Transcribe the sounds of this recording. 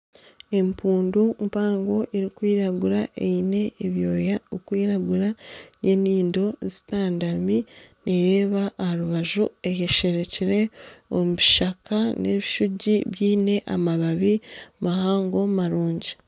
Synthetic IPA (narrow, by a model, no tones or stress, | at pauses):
e̞mpuːndumpaːŋɡo̞ʔeɾikwiːɾaɡuɾaʔeine̞ːβjo̞ːjakwiːɾaɡuɾajeniːndo̞zi̥taːndaminiɾeːβaʔːhaɾuβaʒṵe̞heʃe̞ɾe̞ciɾe̞omuβiʃakanʔḛβiʃuɟiβjiːne̞ʔa̰maβaβimahaːŋɡo̞maɾuːɲɟi̥